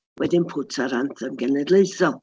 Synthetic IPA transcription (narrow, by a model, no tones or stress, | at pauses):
wʔɛdɪnpʰʊtʰaɾantʰəmɡɛnɛdlˠeɨθɔlˠ